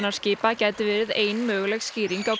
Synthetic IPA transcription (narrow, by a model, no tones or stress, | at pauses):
naɾ̥scɪːpacaːjt̪ɪvɪːɾɪðeːjnmœːɣʏlɛɣsciːɾiŋkaw